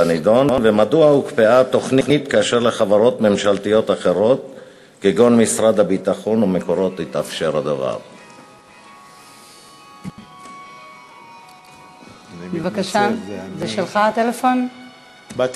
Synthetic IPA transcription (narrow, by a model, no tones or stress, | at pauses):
anid̪o̞nvemaduaukpeʔat̪o̞χninit̪kaːʃeʁleχavaʁo̞t̪me̞mʃalt̪ijo̞t̪aχe̞ʁo̞t̪ | keɡo̞nmisʁad̪abit̪aχo̞numeko̞ʁo̞t̪lit̪afʃeʁhad̪ava̰ʁ | bevakaʃazeʃelχaat̪elefo̞n